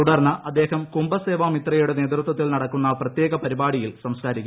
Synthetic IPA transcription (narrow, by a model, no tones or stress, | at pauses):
t̪uɽɐrnːɐʔɐd̪ːe̞ːhɐmkumbɐseːʋaːmit̪rɐjuɽene̞ːt̪rut̪wɐt̪ːilnɐɽɐkːunːɐprɐt̪jeːɣɐpɐɾibaːɽijilsɐmskaːɾikʲː